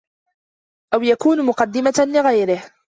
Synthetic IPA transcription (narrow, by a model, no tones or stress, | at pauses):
ʔawjakuːnmʊqɑd̪ːɪmalɪɣajɾɪh